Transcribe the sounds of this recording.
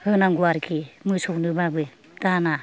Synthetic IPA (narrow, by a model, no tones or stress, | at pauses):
hɯnaŋɡuaɾkʰimɯsɔwnɯbabɯ | tana